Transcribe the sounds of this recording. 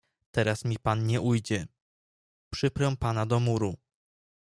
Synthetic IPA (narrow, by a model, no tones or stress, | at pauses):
t̪ɛɾasmʲipanɲɛʔujd͡ʑɛ | pʂɘpɾɛw̃panad̪ɔmuɾu